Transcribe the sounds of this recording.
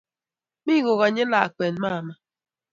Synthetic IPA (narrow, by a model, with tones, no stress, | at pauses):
mi˦ɣo˨ɣa˨ɲe˦la̰˨k͡pe˨n˦ma˦˨ma˦